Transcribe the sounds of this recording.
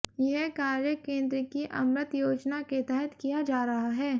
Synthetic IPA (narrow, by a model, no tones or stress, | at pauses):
jɐɦkaːɾjəkẽːnd̪ɾəkiʔɐmɾət̪joːd͡ʒnaket̪ɛɦɛt̪kijad͡ʒaːɾɐɦaɦɛː